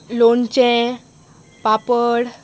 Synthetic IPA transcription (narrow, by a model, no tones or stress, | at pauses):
lont͡ɕɛ̃ | papəɽ